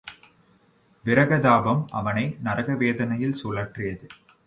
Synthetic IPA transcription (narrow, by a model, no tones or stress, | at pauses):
ʋɪɾɐɣɐðaːbɐmʔɐ̰ʋɐnɐɪnɐɾɐɣɐʋeːðɐnɐjɪlsuːlɐʈrɪjɐðɯ